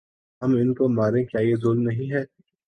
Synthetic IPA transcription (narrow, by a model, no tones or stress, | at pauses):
ɦɐmɪnkomaːɾẽkjaːjezoːlmnɐɦĩɦɛː